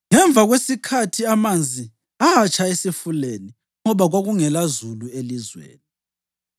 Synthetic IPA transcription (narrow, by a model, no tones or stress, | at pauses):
ŋɛɱb̪vʱaɣwesikʰatʰiamand͡zʱi | aːt͡ʃʼʰaesifuleni | ŋɔβaɣwaɣuŋɛlazuluelizwḛːni